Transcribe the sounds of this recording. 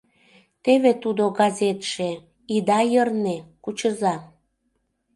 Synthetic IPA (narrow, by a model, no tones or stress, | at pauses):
t̪eβet̪ud̪oɡɑzet̪ʃe | id̪ɑjərnekut͡ɕəzɑ